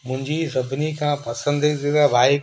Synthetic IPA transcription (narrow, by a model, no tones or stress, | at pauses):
mʊ̃ɦɪ̃ɲd͡ʑisɐbʱɪnikʰãːpɐsə̃nd̪zɪaʋaːi